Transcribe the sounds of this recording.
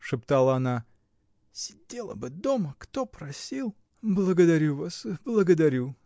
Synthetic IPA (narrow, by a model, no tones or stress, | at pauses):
ʂɨpt̪alˠəɐna | sʲɪdʲelˠə̰bɨd̪oməkt̪opɾɐsʲilˠ | blˠəɡəd̪ɐɾʲuvasblˠəɡəd̪ɐɾʲu